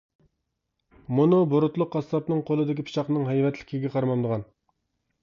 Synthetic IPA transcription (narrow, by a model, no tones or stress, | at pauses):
munuboɾʊt̪lˠʊqːɑsːɑpnɨŋqʰolˠɨd̪ɪkʲipʰi̥ʃɑqnɨŋɦɛjvɛt̪lɪ̥kʲiɡʲɛqʰɑɾmɑmd̪əʁɑn